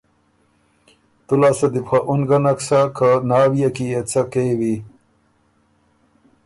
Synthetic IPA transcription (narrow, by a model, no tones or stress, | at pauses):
t̪ulaːsɐd̪ipxaʔunɡɐnɐksakanaːwijakiet͡sakewi